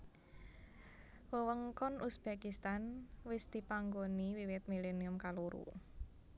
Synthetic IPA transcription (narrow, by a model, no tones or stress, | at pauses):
wəwəŋkɔnusb̥ekist̪anwɪsd̪̥i̤paŋɡoniwiwɪt̪̚mileniʊmkaluɾṵ